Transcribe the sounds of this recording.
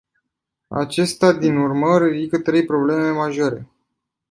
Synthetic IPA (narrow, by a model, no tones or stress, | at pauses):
a̰t͡ʃe̞st̪ad̪inurməɾed̪ikət̪ɾe̞jpɾo̞ble̞me̞maʒo̞ɾe̞̰